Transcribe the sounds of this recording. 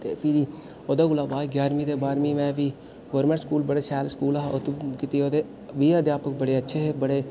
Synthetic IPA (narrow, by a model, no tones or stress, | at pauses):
t̪ḛːpʰɪɾiː | oːd̪aːɡʊlaːbaːd̪ɡjaːɾmĩːd̪eːbaːɾmĩːmɛ̃ːʋiː | ɡoːɾmẽːɳʈskuːlbəɽeːsɛːlskuːlaot̪kit̪iːoːd̪eː | ʋiːəd̪jaːpək̚bəɽeːətːʃʰeːɦeːbəɽeː